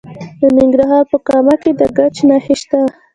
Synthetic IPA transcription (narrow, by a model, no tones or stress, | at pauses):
d̪ənɪŋɡɾaɦɑɾpəkɑmaked̪əɡat͡ʃnɑxeʃt̪a